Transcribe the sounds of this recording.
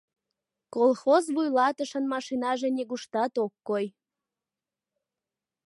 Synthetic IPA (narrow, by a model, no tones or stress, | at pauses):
kolxozβujlɑt̪əʃənmɑʃinɑʒeneɣuʃt̪ɑt̪okːoj